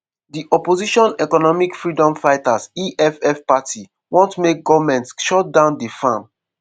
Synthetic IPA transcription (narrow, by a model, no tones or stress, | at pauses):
diʔɔpoziʃɔ̃nɛkɔnɔmikfɹidɔ̃mfaɪtasiʔɛfɛfpatʰi | wɔ̃ntmek̚ɡɔvamɛ̃ntsʃɔt̚dãʊ̃ndefãm